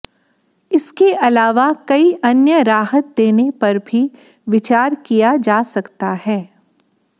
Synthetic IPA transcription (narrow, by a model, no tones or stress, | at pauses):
ɪskeʔɐlaːʋakɐiʔɐnjəɾaːɦət̪̚d̪eːnepɐɾbʱi | ʋɪt͡ʃaːɾkijad͡ʒaːsɐkt̪aɦɛː